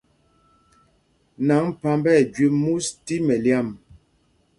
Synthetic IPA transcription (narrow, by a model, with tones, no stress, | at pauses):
na˨˦ŋpa˦mbɛ˦˨d͡ʒɥe˨˦mu˦sti˦mɛ˨lja˦˨m